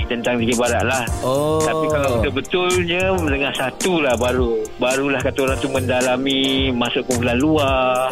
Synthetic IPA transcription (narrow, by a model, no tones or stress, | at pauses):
t̪ənt̪aŋd̪ikiʔ̚baɾaʔ̪̚lahoapikalawdabət̪ʊlɲə̃mənəŋahsat̪ulahbaɾubaɾulahkat̪aoɾaŋt̪umə̃ndalamimãsʊʔkəbulanlua